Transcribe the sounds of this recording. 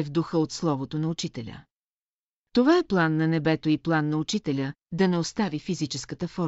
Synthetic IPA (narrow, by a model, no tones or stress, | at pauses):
ɛvd̪uxəot̪slˠɔvot̪onɐut͡ʃit̪ɛlʲə̰ | t̪ovaɛplˠanːɐnɛbɛt̪oiplˠanːɐut͡ʃit̪ɛlʲəd̪ɐnɛost̪avifizit͡ʃɛskət̪əfɔɾ